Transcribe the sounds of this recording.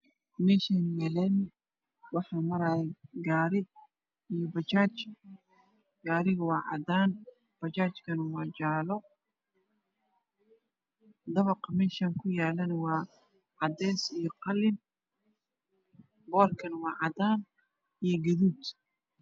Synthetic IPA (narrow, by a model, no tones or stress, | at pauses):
mɛːʃaːnjɛːlɛːn | wɑħɑːmɐɾaːjɛɡaːɾɪ | ijɔbɐt͡ʃaːt͡ʃ | ɡ̥aːɾɪɣɐwɑːʕɑ̰d̪aːn | b̥ɐt͡ʃaːt͡ʃkʰɐnɐwɑːt͡ʃaːlɔ | d̪ɐβɐqɐmɛːʃaŋkʰʊjaːlɐnɐwɑː | ʕɑd̪ɛːsijɔqɑlɪn | bɔːlkʰɐnɐwɑːʕɑd̪aːn | ijɞɡɐðuːt̪